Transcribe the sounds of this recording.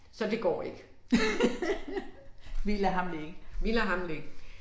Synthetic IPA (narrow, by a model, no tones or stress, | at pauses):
sɒ̽d̥e̝ɡ̥ɒ̰ːe̝ɡ̥ə | ʋilɐɦɑ̈mleɡ̥ʋilɐɦɑ̈mleɡ̥